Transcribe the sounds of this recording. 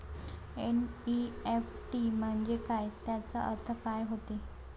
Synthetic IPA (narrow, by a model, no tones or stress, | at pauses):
ḛniefʈim̤əɳd͡zekajt̪jat͡saə̰ɾt̪ʰəkajɦot̪i